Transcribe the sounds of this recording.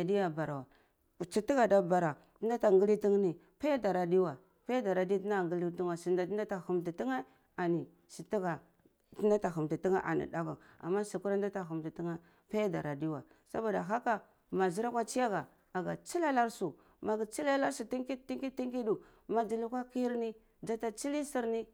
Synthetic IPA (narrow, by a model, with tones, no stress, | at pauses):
a˨di˦ja˨ba˨ɾa˨wa˨ | t͡ʃi˨ti˦ɡa˨da˨ba˨ɾa˨ | ti˦da˦ta˨ŋɡi˦li˦ti˦ŋ˦ni˨ | pa˦ja˦da˨ɾa˨di˦wa˨ | pa˦ja˦da˨ɾa˨di˦ti˦na˦˨ɡi˦li˦tu˦ŋa˨si˨nda˨˦da˦ta˨xu˨mti˨ti˦ŋa˦ | a˨ni˨ | si˨ti˦ɡa˨ | ti˦na˦ta˨xu˨mti˨ti˦ŋa˦ʔa̰˨nḭ˨da˦va˨a̰˨mːa˦si˨ku˦ɾa˦n˦da˦ta˨xu˨mti˨ti˦ŋa˦ | pa˦ja˦da˨ɾa˨di˦wa̰˨ | sa˦ba˨da˨ɦa˦ka˦ | ma˨zi˦ɾa˦kʷa˦t͡ʃi˦ja˦ɡa˨ | a˨ɡa˨t͡ʃi˦la˦la˦ɾsu˨ | ma˨ɡi˨t͡ʃi˦la˦la˦ɾsu˨ti˦ŋki˦ti˦ŋki˦ti˦ŋki˦du˨ | ma˨d͡ʒi˨lu˦kʷa˦ki˦ɾni˦ | d͡ʒa˦ta˦t͡ʃi˦li˦si˦ɾni˦